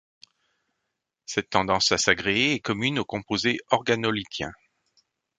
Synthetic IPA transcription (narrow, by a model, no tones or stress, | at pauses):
sɛt̪ːɑ̃d̪ɑ̃sasaɡʁeeɛkɔmynokɔ̃pozeɔʁɡanɔlit̪ʰjɛ̰̃